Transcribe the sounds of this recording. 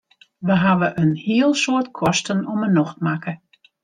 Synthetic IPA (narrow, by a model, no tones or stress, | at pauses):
ʋəɦaʋəʔənhiəlˠsoətkʰɔstənɔmənɔxtmakə